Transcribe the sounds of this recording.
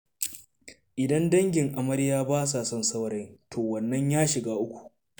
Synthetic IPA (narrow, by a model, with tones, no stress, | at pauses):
ʔɪ˨dɐ˦ndɐ˦ŋɡʲɪ˨ŋʔa˨mɐ˦ɽjaː˦baː˦s̬aː˨sɐ˦nsɐ˦wɾɐ˦jtʰoː˨wɐ˨nːɐ˦ɲjaː˦ʃɪ˨ɡaː˦ʔʊ˦kʷu̥˨ʔ